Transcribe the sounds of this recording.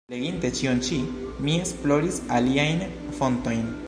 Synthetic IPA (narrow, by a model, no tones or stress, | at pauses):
leɡinte̞t͡ʃiont͡ʃimie̞splo̞ɾisaliajn | fo̞nto̞jn